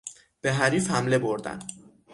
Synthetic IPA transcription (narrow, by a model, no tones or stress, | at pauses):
b̥e̞ɦæɾiːfhæmle̞bo̞ɾd̪æ̰n